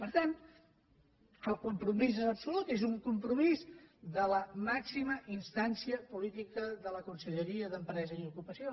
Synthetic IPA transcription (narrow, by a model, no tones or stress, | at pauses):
pəɾt̪an | əlˠkumpɾumizənəpsulut̪ezuŋkumpɾumizðələmaksiməʔinst̪ansiəpulit̪ikəðələkunsəʎəɾiəðəmpɾɛzəiukupəsio